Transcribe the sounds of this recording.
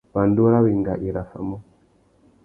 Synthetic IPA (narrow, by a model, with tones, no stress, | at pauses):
pa˨ndu˦ɾa˦wi˨ŋɡa̰˨ʔi˨ɾa˨fa̰˨mɔ˦